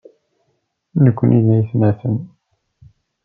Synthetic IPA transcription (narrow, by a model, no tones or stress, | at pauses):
nəkʷːənʔiðæjəθmæθən